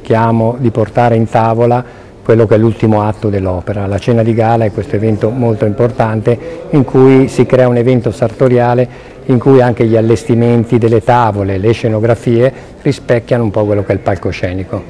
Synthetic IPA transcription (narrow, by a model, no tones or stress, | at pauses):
k̟jaːmod̪iport̪aːɾeint̪aːvola | kwelːok̟ɛlːult̪imoat̪ːod̪elːɔːpeɾalat͡ʃɛːnad̪iɡaːlaɛkːwest̪oevɛnt̪omolt̪oimport̪ant̪eiŋkʰujsikɾɛːaunevɛnt̪osart̪oɾjaːle | iŋkujaŋk̟eʎialːest̪iment̪id̪elːet̪aːvoleleʃenoɡɾafiːe | rispɛkːjanoumpɔkːwelːokɛilpalkoʃɛːniko